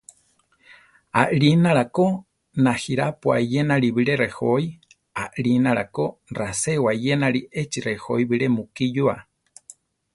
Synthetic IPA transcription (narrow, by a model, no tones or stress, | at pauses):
a̰ʔɾinaɾako | nahiɾapua̰jenaɾiβiɾerehoi | aʔɾinaɾakorasewajenaɾiʔet͡ʃirehoiβiɾemukijua̰